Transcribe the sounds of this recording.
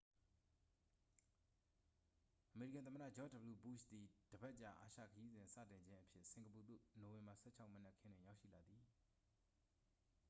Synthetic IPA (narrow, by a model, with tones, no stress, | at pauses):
ʔəme˨ɹi˦kã˨nθəməɾä̰˦˨d͡ʑɔ˦də˨bəlu˨bu˦˨ʃt̪i˨d̥əbɛ˦ʔt͡ɕã̰˦˨ʔa̰˨ʃä̰˦˨kʰəji˦zɪ̃˨nsä̰˦˨tɪ̃˨ɲd͡ʑɪ̃˦ʔəpʰjɪ˦ʔsɪ̃˨ŋɡəp̬u˨d̪o̰˦˨no˨wɪ̃˨mba˨sɛ̰˦˨t͡ɕʰa˦ʊʔmə˦nɛ˦ʔkʰɪ̃˦nd̥ɪ̃˨ja˦ʊʃḭ˦˨la˨d̪ði˨